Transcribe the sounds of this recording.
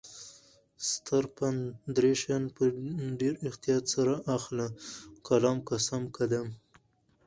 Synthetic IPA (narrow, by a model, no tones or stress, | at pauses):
st̪ʰaɾpand̪ɾeʃanpəɖeɾɪxt̪ijɑt̪saɾaʔaxlakalɑmkasamkad̪am